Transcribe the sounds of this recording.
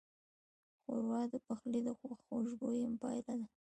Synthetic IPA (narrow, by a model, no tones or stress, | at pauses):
xo̰ɾwɑd̪əpaxlid̪əxaxoʒɡojampɑ̰jlad̪a